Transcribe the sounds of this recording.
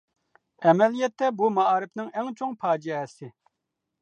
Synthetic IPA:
ɛmɛlijɛt̪ʰːɛbumɑɑːɾɪpnɪŋɛŋt͡ʃʰoŋpʰɑːd͡ʒɛɛsɪ

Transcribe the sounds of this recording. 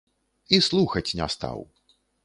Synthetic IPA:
islˠuxɐt͡sʲnʲa̰st̪a̰w

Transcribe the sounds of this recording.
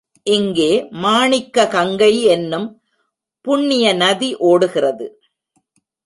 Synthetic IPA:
ʔɪŋɡeːmaːɳɪkːɐkɐŋɡɐɪɛnːɯm | pʊɳːɪjɐnɐðiʔoːɽɯɣɪrɐðɯ

